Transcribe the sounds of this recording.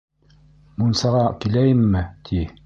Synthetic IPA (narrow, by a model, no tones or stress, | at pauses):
munsɑʁɑkilæjɘmːɘt̪ʰi